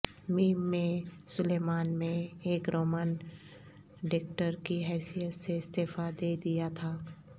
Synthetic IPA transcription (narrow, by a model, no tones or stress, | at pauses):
miːmːẽsʊleːmaːnmẽeːkɾoːmən | ɖɪkʈəɾkiɦɛːsijət̪seɪst̪eːfad̪eːd̪ijat̪ʰaː